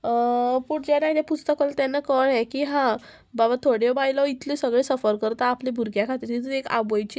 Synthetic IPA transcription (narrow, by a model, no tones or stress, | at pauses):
puʈd͡ʑanaɦjt̪apust̪əkɔlat̪janːakəɽɛ̃kiːɦã | babat̪ʰoɽjɔbajlɔit̪ʰlesəɡɭesəfəɾkəɾt̪aːplebʱuɾɡjakʰat̪iɾt̪it̪ueka̰bojt͡ɕː